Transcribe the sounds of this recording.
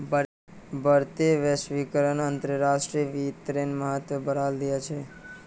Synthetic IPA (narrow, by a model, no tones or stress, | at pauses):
b | bəɾt̪eʋəʃʋikəɾənənt̪ɾəɾaʃʈɾiʋit̪ɾenməɦət̪ʋəbəɾald̪ijat͡ʃʰe